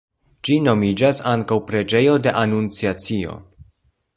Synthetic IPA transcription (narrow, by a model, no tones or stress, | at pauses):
d͡ʒino̞mid͡ʒasaŋkawpɾe̞d͡ʒe̞jo̞de̞ʔanunt͡siat͡sio̞̰